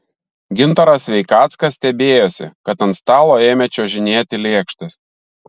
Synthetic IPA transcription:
ɡʲɪnt̪ɐɾɐsʲʋʲɛɪkɑːt̪skɐsʲsʲt̪ʲɛbʲeːjoːsʲɪ̰kɐt̪ɐnt̪st̪ɑːlˠoːeːmʲɛt͡ʃʲoːʒʲɪnʲeːt̪ʲɪlʲeːkʃt̪ɐs

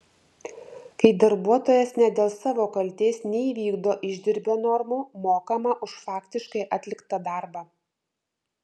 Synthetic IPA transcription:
kɐɪd̪ɐɾbuɔt̪oːjɛsnʲɛd̪ʲeːlˠsɑːʋoːkɐlʲt̪ʲeːsnʲɛiʋʲiːɡd̪oːʔɪʒʲd̪ʲɪɾʲbʲonɔɾmuːmoːkɐmɐʔʊʃfɑːkt̪ʲɪʃkɐɪʔɐt̪ʲlʲɪkt̪ɐd̪ɑɾbɑː

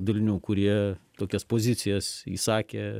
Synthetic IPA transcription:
d̪ɐlʲɪnʲuːkʊɾʲiɛt̪oːkʲɛspoːzʲɪt̪sʲɪjɛsḭːsɑːkʲe

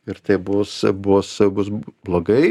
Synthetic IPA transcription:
ɪɾt̪ɐɪbʊsbʊsbʊs̬blˠoːɡɐɪ

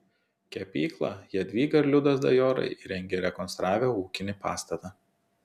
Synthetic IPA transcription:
kʲɛpʲiːklˠɑ̰jiɛd̪ʲʋʲiːɡɐɾʲlʲʊd̪ɐs̬d̪ɐ̰joːɾɐ̰ɪʔɾʲɛŋʲɡʲeɾʲɛkɔnst̪ɾɑːʋʲɛːuːkʲɪnʲɪpɑ̰ːst̪ɐt̪ɑː

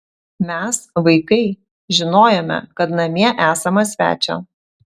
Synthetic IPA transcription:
mʲɛsʋɐɪkɐɪ | ʒʲɪnoːjomʲɛ̰kɐt̪nɐmʲiɛʔæːsɐmɐsʲʋʲæ̰ːt͡ʃʲo̰ː

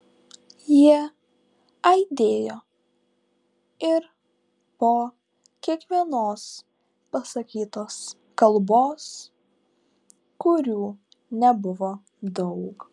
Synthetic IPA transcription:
jiɛ | ɐɪd̪ʲeːjoː | ɪɾ | poː | kʲiɛkʋʲiɛnoːs | pɐsɐkʲiːt̪oːs | kɐlˠboːs | kʊɾʲuː | nʲɛbʊʋo | d̪ɔʊk

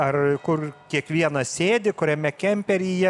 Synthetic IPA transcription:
ɐrkʊrkʲiɛkʋʲiɛnɐsʲeːd̪ʲɪkʊɾʲɛmʲɛkʲɛmʲpʲɛɾʲɪjɛ

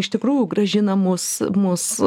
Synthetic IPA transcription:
ɪʃt̪ʲɪkɾuːjʊɡrɐʒʲɪnɐmʊsmʊs

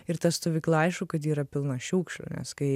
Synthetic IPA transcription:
ɪɾt̪ɐst̪oːʋʲiːklˠɐɐɪʃokɐt̪iːɾɐpʲɪlˠnɐʃʲuːkʃlʲo̰nʲɛ̰skɐɪ

